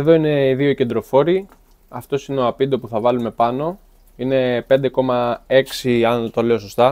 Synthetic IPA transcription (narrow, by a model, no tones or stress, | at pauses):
eðo̞ine̞iðio̞cend̪ɾo̞fo̞ɾi | ɐft̪o̞sineoɐpind̪opuθɐvɐlume̞pɐno̞ | ine̞pend̪e̞ko̞mɐe̞ksiɐnt̪ole̞o̞s̬o̞st̪ɐ